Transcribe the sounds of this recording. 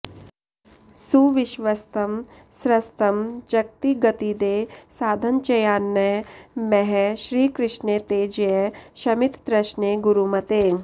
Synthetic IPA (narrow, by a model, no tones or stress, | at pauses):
suʋɪʃʋɐst̪ɐm | sɾɐst̪ɐmt͡ʃɐk̚t̪iɡɐt̪id̪eːsaːd̪ʱɐnt͡ʃɐjaːnːɐɦmɛɦɛʃɾiːkɾɪʃnet̪eːd͡ʒeʃɐmit̪pɾɐʃneɡuɾumɐt̪eː